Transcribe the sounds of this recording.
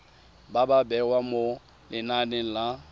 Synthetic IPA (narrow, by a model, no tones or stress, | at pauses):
bababɛwamo | lɪnanɛla